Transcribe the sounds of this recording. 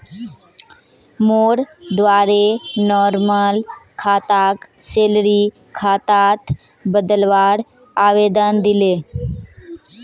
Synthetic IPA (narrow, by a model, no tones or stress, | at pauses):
moːɾd̪ʋaːɾenɔːɾməlkʰaːt̪aːkseːlɾi | kʰaːt̪aːt̪ʰ | bəd̪əlʋaːɽ | aːʋeːd̪ənd̪ɪleː